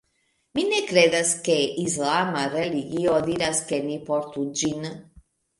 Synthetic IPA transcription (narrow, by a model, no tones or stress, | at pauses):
minekɾed̪askeizlamaɾeliɡiod̪iɾaskenipoɾt̪ud͡ʒin